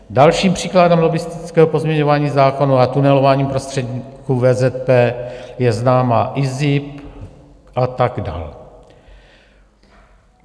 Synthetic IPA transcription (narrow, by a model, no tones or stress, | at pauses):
dalʃiːmpr̝̥iːkladɛmlo̞ɡɪst̪ɪt͡skɛːɦopo̞zmɲɛɲo̞vaːɲiːzaːko̞nuat̪unɛlo̞vaːɲiːmpɾo̞st̪r̥ɛdɲikuvɛːzɛt̪̚pɛːjɛznaːmaʔɪzɪp | ʔat̪aɡda̰ːl